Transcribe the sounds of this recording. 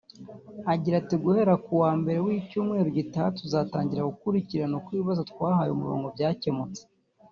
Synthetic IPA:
aɟiɾatiɡuhe̞ɾakuwaːmbe̞ɾe̞wiːcuːmŋe̞ːɾoɟitatuzataːɲɟiɾaɡukuɾiciɾanokwiːβazotkwaːhɦajomuɾo̰ːŋɡo̞bɟaːce̞mut͡se̥

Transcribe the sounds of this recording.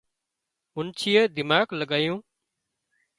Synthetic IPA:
mʊnt͡ʃʰijeːd̪ɪmaːkləɠaːjũː

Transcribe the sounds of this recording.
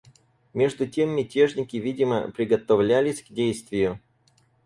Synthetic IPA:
mʲe̞ʐd̪ʊtʲe̞mːʲɪtʲe̞ʐnʲɪkʲɪvʲidʲɪmə̰pɾʲɪɡət̪ɐvlʲælʲɪsʲɡdʲejst̪vʲɪjʊ

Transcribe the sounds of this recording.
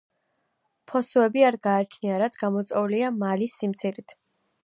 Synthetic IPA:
pʰɔsuɛbiaɾɡaːt͡ʃʰniaɾat̪sʰɡ̥amɔt̪sʼɛuliamalisːimt̪sʰiɾit̪ʰ

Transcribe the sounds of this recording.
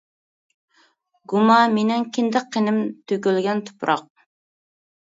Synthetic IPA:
ɡumɑmenɪŋkʲʰind̪ɪqʰːenɪmt̪ʰøkʲylɡʲɛnt̪ʰu̥pɾɑ̰q̚

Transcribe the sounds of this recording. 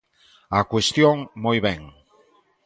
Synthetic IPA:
akwest̪joŋmojβeŋ

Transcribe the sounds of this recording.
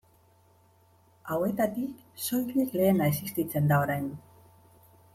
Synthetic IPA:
awe̞t̪at̪ik | so̞jliekle̞ːnaesist̪it͡se̞nd̪ao̞ɾajn

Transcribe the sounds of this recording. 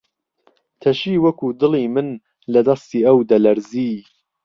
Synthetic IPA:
t̪ʰɐʃiːwɐkud̪ɨlˠiːmɨn | lɐd̪ɐst̪iːɐwd̪ɐlɐɾziː

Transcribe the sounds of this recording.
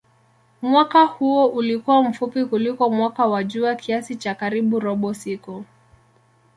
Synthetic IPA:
mwakahuɔʔulikuwam̩fupikulikɔmwakawaʄuakʰiasit͡ʃakaɾiɓuɾɔɓɔsikɔ

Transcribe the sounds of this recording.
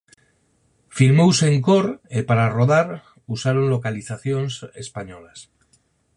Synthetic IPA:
fiɾmowseŋkoɾepaɾaroðaɾ | usaɾonlokaliθaθjonsespaɲolas

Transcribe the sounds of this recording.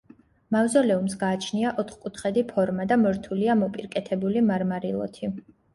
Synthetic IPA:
mavzɔlɛumsɡaːt͡ʃʰniaʔɔt̪χkʼut̪ʰχɛd̪ipʰɔɾmad̪amɔɾt̪ʰuliamɔpʼiɾkʼɛt̪ʰɛbulimaɾmaɾilˠɔ̰t̪ʰi

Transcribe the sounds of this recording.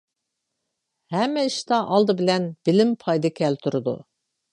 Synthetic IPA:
hɛmːɛiʃt̪ɑʔɑlˠd̪ɨbɪlɛnb̥ɪlɪmpʰɑjd̪ɨkʲʰɛlt̪ʰuɾɨd̪ṵ

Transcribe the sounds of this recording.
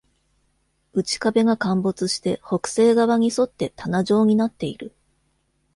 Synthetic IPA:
ɯ̟t͡ɕi̥kabe̞ɡakãmbo̞t͡sɨɕi̥t̪e̞ho̞kɯ̟̥se̞ːɡaβaɲ̟iso̞t̪ːe̞t̪anaʑo̞ːɲ̟inat̪ːe̞iɾɯ̟

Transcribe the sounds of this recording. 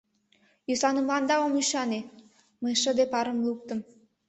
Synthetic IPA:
jysɑnəmlɑnd̪ɑomyʃɑne | məjʃə̆d̪epɑɾə̆mluk̚t̪ə̆m

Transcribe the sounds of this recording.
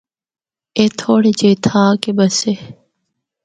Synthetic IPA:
eːt̪ʰoːɽid͡ʑeːt̪ʰãːkebɐse

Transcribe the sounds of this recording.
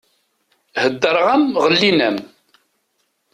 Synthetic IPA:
həd̪ːəɾˤʁæmʁəlːinəm

